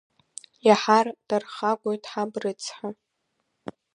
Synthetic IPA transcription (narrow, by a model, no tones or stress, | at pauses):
jaħard̥arχaɡʷojtʰʼħabrɨt͡sʰħa